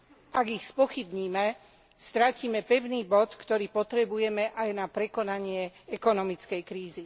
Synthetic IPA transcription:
ʔaɡixspɔxibɲiːmɛ | st̪ɾaciːmɛpɛʊniːbɔt̪kt̪ɔɾiːpɔt̪ɾɛbujɛmɛʔajnapɾɛkɔnaɲɪɛɛkɔnɔmit͡skɛjkɾiːzi

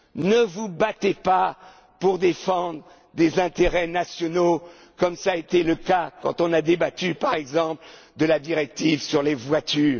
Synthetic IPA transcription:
nəvubat̪epa | puʁd̪efɑ̃d̪ʁə | d̪ezɛ̃t̪eʁɛnasjɔno | kɔmsaet̪eləkakɑ̃t̪ɔ̃nad̪ebat̪ypaʁɛɡzɑ̃pld̪əlad̪iʁɛk̚t̪ivsyʁlevwat̪ʰyːʁ

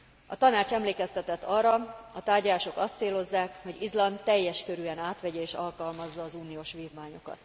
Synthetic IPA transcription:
ɒt̪ɒnaːt͡ʃɛmleːkɛst̪ɛt̪ɛt̪ːɒrːɒɒt̪aːrɟɒlaːʃo̞kɒst̪seːlo̞zːaːkho̞ɟizlɒnt̪ːɛjːɛʃkøɾyɛnaːt̪ʋɛɟɛeːʃɒlkɒlmɒzːɒːzuːnijoːʃʋiːvmaːɲo̞kɒ̰t̪

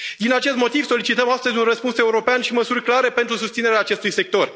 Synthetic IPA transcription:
d̪inat͡ʃe̞st̪mo̞t̪iv̥so̞lit͡ʃit̪əmast̪əzʲunrəspunse̞uɾo̞peanʃiməsurʲklaɾe̞pe̞nt̪ɾusust̪sineɾeaːt͡ʃe̞st̪ujse̞k̚t̪o̞r

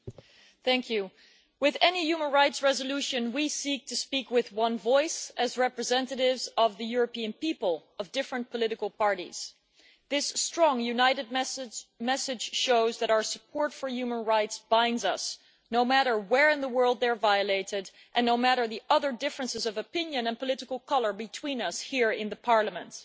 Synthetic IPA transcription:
θæ̃ŋkʰjʉ | wɨðɛnijʉmə̃nɹaɪtsɹɛzəlʉʃɨ̃nwisik̚tʰɨspikwɪðwʌ̃nvɔɪsɨzɹɛpɹɨzɛ̃ntɨɾɪvzʌvðɨjʊɹɨpĩɨ̃npipəl̩ˠʌvdɪfɹɨ̃npʰəlɪɾɨkl̩ˠpɑɹɾḭz̥ | ðɪstɹ̥ɔ̃ŋjʉnaɪɾɨd̚mɛsɨd̥ʒ̥ʃoʊzðɨɾaʊə˞səpʰɔɹtfə˞jʉmə̃nɹaɪtsb̥ãɪ̃ndzʌs | noʊmæɾə˞wɛɹɨ̃nðəwɜ˞lˠd̪̚ðə˞vaɪɨleɪɾɪɾ | ʔɨ̃nːoʊmæɾə˞ðiʔʌðə˞dɪfɹɨ̃nsɨzʌvɨpɪ̃njɨ̃nɨ̃npʰəlɪɾɨkl̩ˠkʰʌlˠə˞bɨtʰw̥ĩnʌshiɹɪ̃nðəpʰɑɹləmɨ̃nt

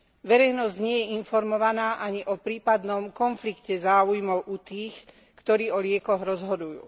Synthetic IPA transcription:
ʋɛɾɛjnɔzɟɲɪɛjɛinfɔɾmɔʋanaːʔaɲiʔɔpɾiːpad̪nɔmkɔnflikcɛzaːujmɔʊʔut̪iːx | kt̪ɔɾiːɔlɪɛkɔɣɾɔzɦɔd̪ujṵː

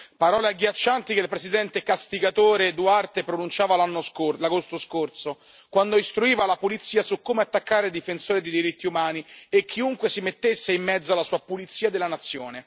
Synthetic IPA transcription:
paɾɔːleaɡːjat͡ʃːant̪ikeilpɾesid̪ɛnt̪ekast̪iɡat̪oːɾed̪uart̪epɾonunt͡ʃaːvalanːoskolaɡost̪oskorso | kwand̪oist̪ɾuiːvalapulit̪sːiːasukːomeat̪ːakːaːɾed̪ifensoːɾed̪ejd̪iɾit̪ːiumaːniekʰːiuŋkwesimet̪ːesːeimːɛd̪zoalːasuːapulit̪sːiːad̪elːanat̪sːjoːne

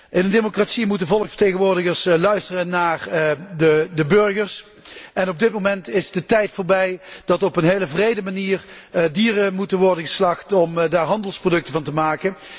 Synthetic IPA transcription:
ʔɪnəndemokratsimutənvɔlˠəksfə̥ɹtejɣənʋʊːɹdəɣəɹslœɥstərənaːrdədəbɵɹɣəɹs | ɛnɔb̚dɪt̚momɛntɪzdətɛjtfʊːɹbɛjd̥ɑtɔpənɦejləvrejdəmaniːrdiːrəmutənʋɔɹdəɣəslɑxtɔmdaːɹɦɑndəlˠsprodɵk̚təvɑntəmaːkən

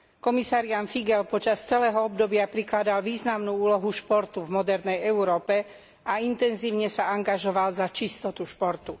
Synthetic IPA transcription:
kɔmisaːɾɪanfiɡɛlpɔt͡ʃast͡sɛlɛːɦɔɔbd̪ɔbɪapɾiklad̪alʋiːznamnuːuːlɔɦuʃpɔɾt̪uvmɔd̪ɛɾnɛjɛuɾɔːpɛ | aint̪ɛnziːʊɲɛsaaŋɡaʒɔʋalzat͡ʃist̪ɔt̪uʃpɔɾt̪u

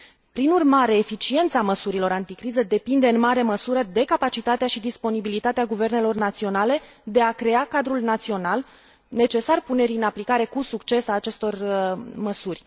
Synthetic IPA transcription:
pɾinurmaɾe̞ːfit͡ʃie̞nt̪saməsuɾilo̞ɾant̪ikɾizəd̪e̞pind̪e̞ɨnmaɾe̞məsuɾəd̪e̞kapat͡ʃit̪at̪eaʃid̪ispo̞nibilit̪at̪eaɡuve̞rne̞lo̞rnat̪sio̞nale̞ | d̪e̞akɾe̞akad̪ɾulnat̪sio̞nal | ne̞t͡ʃe̞sarpune̞ɾiɨnaplikaɾe̞kusukt͡ʃe̞saːt͡ʃe̞st̪o̞rməsurʲ

